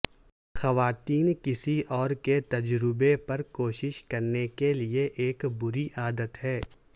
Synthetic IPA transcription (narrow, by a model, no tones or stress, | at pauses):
xɐʋaːt̪iːnkɪsiʔɔːɾket̪ɐd͡ʒɾɪbepɐɾkoːʃɪʃkɐɾnekelieʔeːkbʊɾiʔaːd̪ət̪ɦɛː